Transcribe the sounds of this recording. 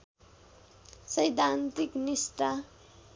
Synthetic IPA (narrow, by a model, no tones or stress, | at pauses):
sʌjd̪ʱant̪iknist̪a